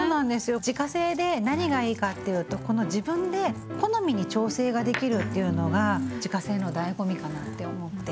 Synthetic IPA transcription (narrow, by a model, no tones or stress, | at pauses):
oːnãnd̪e̞sɨjo̞d͡ʑikase̞ːd̪e̞naɲ̟iɡaiːkat̪ːe̞jɯ̟ːt̪o̞ko̞no̞ʑibɯ̟̃nd̪e̞ | ko̞no̞mʲiɲ̟it͡ɕo̞ːse̞ːɡad̪e̞kʲiɾɯ̟t̪ːejɯ̟no̞ɡad͡ʑikase̞ːno̞d̪aiɡo̞mʲikanat̪ːe̞o̞mo̞t̪ːe̞